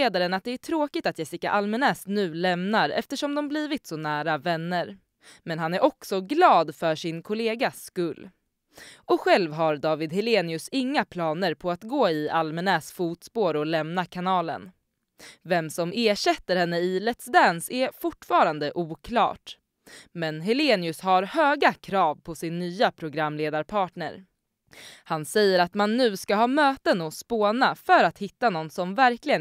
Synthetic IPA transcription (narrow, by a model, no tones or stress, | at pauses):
eːd̪aɾənat̪̚d̪ɛæʈʰɾoːkɪt̪at̪jɛsɪka̰ʔalmɛnɛsnʉ̟ːlɛmnaɾɛ̰ft̪əʂɔmd̪ɔmbliːvɪt̪sɔnæːɾavɛnːəɾ | mɛnɦanæɾʔɔksɔɡlɑːd̪fœʂɪnkʰʊleːɡaskɵlː | ʔɔɧɛlvɦaɾd̪ɑːvɪd̪ɦɪleːnɪɵsɪŋːapʰlɑːnəɾpʰɔat̪ɡoːɪʔalmɛnɛːsfuːt̪spoːɾɔlɛmnakʰanɑːlə̰n | vɛmsɔmeːɕɛt̪ːəɾhɛnːəɪlɛt̪sd̪ɛnsɛfʊʈːfɑːɾand̪əʔuːkʰlɑ̰ːʈ | mɛnɦɪleːnɪɵshaɾhøːɡakʰɾɑːvpʰɔsɪnːyːapʰɾʊɡɾamːleːd̪aɾpʰɑːʈɳə̰ɾ | hansɛjːəɾat̪manːʉ̟ːskaɦɑːmøːt̪ənɔspoːnafœɾat̪hɪt̪ːanɔnːsɔmvæɾklɪɡə